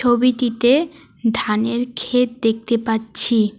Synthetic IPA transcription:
obit̪it̪e | dʱaneɾkʰet̪̚d̪ek̚t̪epatːɕʰi

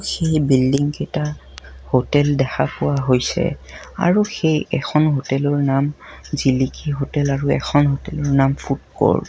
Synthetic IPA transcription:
xejbildiŋkɛta | hotɛldɛxapʊwaɦojsɛ̰ | a̰ɹuxejɛkʰɔnɦotɛlɔɹnamzilikʰiɦotɛlaɹuɛ̰kʰɔnɦotɛlɔɹnamfʰut̚kɔ̰ɹ

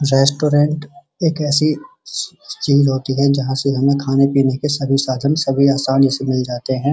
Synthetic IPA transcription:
ɾɛːsʈoːɾɛ̃ɳʈ | eːkɛːsi | t͡ʃiːzɦoːt̪iɦɛd͡ʒɐɦãseɦɐmẽkʰaːnepiːnekesɐbʱisaːd̪ʱənsɐbʱiaːsaːlisemɪld͡ʒaːt̪eɦɛ̃ː

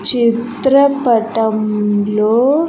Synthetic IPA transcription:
t͡ʃit̪ɾɐpɐʈɐmloː

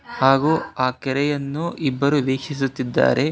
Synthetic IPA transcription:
haːɡuaːkɛɾɛjɐnːuʔibːɐɾuʋeːkʂis̬ut̪ːid̪ːa̰ːɾʔe̞

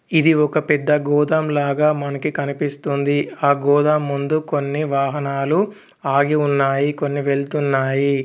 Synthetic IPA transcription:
id̪iɔkɐpɛd̪ːɐɡɔːd̪ɐmlaːɡaːmɐnɐkikɐnipist̪und̪iaːɡɔːd̪ɐmːund̪uko̞nːiʋaːɦɐnaːlu | aːɡiunːaːjiko̞nːiʋe̞ɭt̪unːaːji

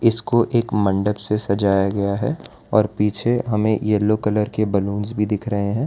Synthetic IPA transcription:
ɪskoʔeːkmɐ̃ɳɖəbsesɐd͡ʒaːjaɡɐjaɦɛ | ɔːɾpiːt͡ʃʰeɦɐmẽjɛlːokɐləɾkebɐlũːnzbʱid̪ɪkʰɾɐɦẽɦɛ̃ː

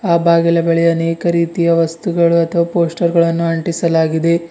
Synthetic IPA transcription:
aːbaːɡilɐbɐɭɛjɐːneːkɐɾiːt̪ijɐʋɐst̪uɡɐɭuɐt̪ʰɐʋɐpo̞ːsʈɐɾɡɐɭɐnːuɐɳʈisɐlaːɡid̪e̞

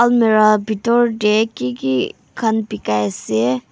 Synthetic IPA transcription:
ɐlmeɾabʱit̪ɔɾɖekiki | kʰɐnpikajse

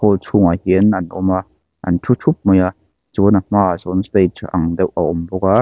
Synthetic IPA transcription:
ɔlt͡sʰuŋahiənɐnʔɔma | ʔɐ̰ntʰutʰup̚mɔja | zɔnammaːazɔnstejtʔaŋdɛwʔaʔɔmbɔka

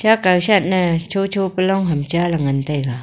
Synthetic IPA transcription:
t͡ʃakawsat̪̚nat͡ʃʰot͡ʃʰopəlɔŋɦɐmt͡ʃalaŋant̪ajɡa

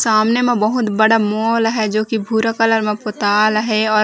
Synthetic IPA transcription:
saːmnemẽbəɦʊt̪bɐɽamɔːlɦɛd͡ʒoːkibʱuɾakələɾmẽpot̪aːlɦɛɔː

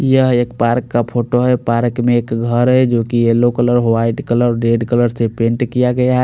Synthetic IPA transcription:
jəɦekpaɾkːapʰoʈoɦɛpaɾkmeːkɡʱəɾɦɛd͡ʒokielokələɾɦwaɪʈkələɾɖeɖkələɾsepẽɳʈkijaɡəjaɦɛ

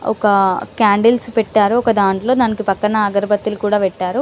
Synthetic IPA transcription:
ɔ̰kɐkaːɳɖilspɛʈːaːɾuɔkɐd̪aːɳʈlo̞ːd̪aːnikipɐkːɐnɐːɡɐɾɐbɐt̪ːilukuːɽaːʋɛʈːaːɾu

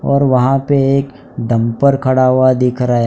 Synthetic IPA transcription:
ɔːɾʋɐɦãpeeːk | d̪ɐ̃mpəɾkʰɐɽaɦuad̪ɪkʰɾaɦe

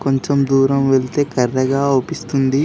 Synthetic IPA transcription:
koɲt͡ʃemd̪uːɾɐmʋelt̪e̞ːkɐrːɐɡaːoːpist̪und̪i

